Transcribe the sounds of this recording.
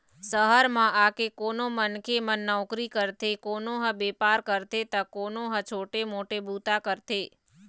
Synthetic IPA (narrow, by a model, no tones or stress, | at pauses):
səɦəɾmãʔakekonomənkemənːəʋkɾikəɾt̪ʰekonoɦə̃bepaɾkəɾt̪et̪əkonoɦə̃t͡ʃʰoʈemoʈebut̪akəɾt̪ʰe